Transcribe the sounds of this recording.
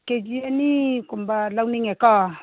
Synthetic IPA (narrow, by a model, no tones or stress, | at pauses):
ked͡ʒianikumbalawniŋɛkɔ